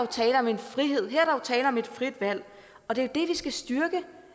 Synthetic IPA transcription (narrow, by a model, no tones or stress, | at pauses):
ot͡sʰɛːləɒ̽me̝nfʁiɦe̝ð̰ˠɦæɐ̰ɾ̥ɑot͡sʰɛːlɐɒ̽me̝d̥fʁid̥ʋæl̰ | ɒ̽d̥e̝od̥e̝ʋisɡ̥æsd̥yɐɡ̥ə